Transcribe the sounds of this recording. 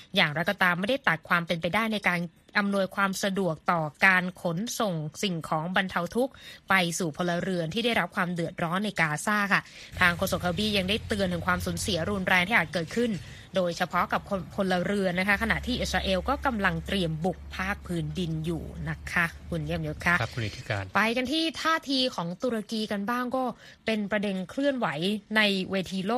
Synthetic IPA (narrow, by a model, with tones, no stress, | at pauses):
jaː˨˩ŋɾa˧jkɔː˧t̪aː˧mːa˥˩jda˥˩jt̪a˨˩t̪̚kʰwaː˧mpe˧npa˧jdaː˥˩jna˧jkaː˧n | ʔa˧mnu˧ə˧jkʰwaː˧msa˧du˨˩ək̚t̪ɔː˨˩kaː˧nkʰo˩˦nso˨˩ŋsi˨˩ŋkʰɔː˩˦ŋba˧nt̪ʰa˧wt̪ʰu˦˥k̚pa˧jsuː˨˩pʰo˧lːa˧ɾɯ˧ənt̪ʰiː˥˩da˥˩jɾa˦˥p̚kʰwaː˧mdɯ˨˩ət̪̚ɾɔː˦˥nːa˧jkaː˧saː˥˩kʰa˥˩ | t̪ʰaː˧ŋkʰoː˧so˨˩k̪̚ʰa˧biː˧˥˩ja˧ŋdaː˥˩jt̪ɯ˧ənt̪ʰɯ˩˦ŋkʰwaː˧msu˩˦nsi˩˦ɐɾuː˧nɾɛː˧ŋt̪ʰiː˥ʔaː˨˩kɤː˨˩t̪̚kʰɯ˥˩n | doː˧jt͡ɕʰa˧pʰɔ˦˥ka˨˩p̚kʰo˧nkʰo˧nlːa˧ɾɯ˧ənːa˦˥kʰa˦˥kʰa˧na̰˨˩t̪ʰiː˥˩ʔi˨˩t̪̚ɾaː˧ʔeː˧wkɔː˥˩ka˧mla˧ŋt̪ɾi˧əmbu˨˩k̚pʰaː˥˩k̚pʰɯː˦˥ndi˧njṵː˨˩na˦˥kʰːa˦˥kʰu˧nji˦˥˧mjo˦˥t̪̚kʰa˦˥ʔkʰu˧ni˦t̪ʰːi˧kaː˧npa˧jka˧nt̪ʰiː˥˩t̪ʰaː˥˩t̪ʰiː˧kʰɔː˩˦ŋt̪u˧ɾa˧kiː˧ka˧nbaː˥˩ŋkɔː˥˩ | pe˧npɾa˧de˧nkʰlɯ˥˩ənwa˩˦jna˧jweː˧t̪ʰiː˧loː˥˩